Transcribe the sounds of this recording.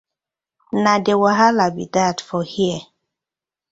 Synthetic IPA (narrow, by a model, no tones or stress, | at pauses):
nadewaɦalabidatfɔhiə